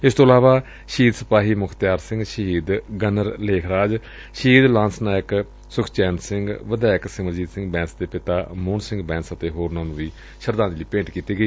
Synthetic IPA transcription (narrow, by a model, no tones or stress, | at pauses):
ɪst̪ʰõːəlaːʋaː | ʃiːd̪sə̥paːɦiːmʊkʰt̪jaːɾsɪ̃ŋɡʃəɦiːd̪ɡənəɾleːkʰɾaːd͡ʒ | ʃɦiːd̪lãːnsnaːjək | sʊkʰt͡ʃɛːnsɪŋɡʋəd̪aːɪksɪməɾd͡ʒiːt̪sɪ̃ŋɡbɛ̃ːnsd̪eːpɪt̪aːmoːnsɪ̃ŋɡbɛ̃ːnsət̪eːɦoːɾnãːnũːʋiː | ʃəɾd̪ãːnd̪liːpẽːɳʈkiːt̪iːɡəiː